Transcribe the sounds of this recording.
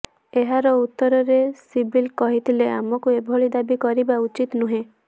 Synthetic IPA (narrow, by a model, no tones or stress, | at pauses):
eɦaɾɔut̪ːɔɾɔɾesibilkɔɦit̪ʰilea̰mɔkuebʱoɭid̪abikɔɾibaut͡ʃit̪nuɦẽ